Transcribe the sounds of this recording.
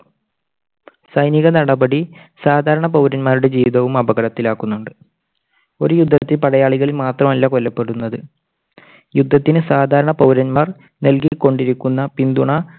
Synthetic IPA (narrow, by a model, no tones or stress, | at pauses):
sɐjniɣɐnɐɽɐbɐɽi | saːd̪ʱaːɾɐɳɐpɐwɾɐnmaːɾuɽe̞d͡ʑiːʋiðɐʋumɐbɐɣɐɽɐt̪ːilaːkːunːuɳɖɨ | o̞ɾujud̪ʱːɐt̪ːilpɐɽɐjaːɭiɣɐɭilmaːt̪rɐmɐlːɐko̞lːɐpːe̞ɽunːɐðɨ | jud̪ʱːɐt̪ːinɨsaːd̪ʱaːɾɐɳɐpɐwɾɐnmaːr | nelkikːo̞ɳɖiɾikʲːunːɐpind̪uɳɐ